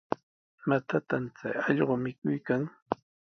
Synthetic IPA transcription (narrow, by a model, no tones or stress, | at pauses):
mat̪at̪amt͡sa̰jɑʎɢomɪkʊjkaŋ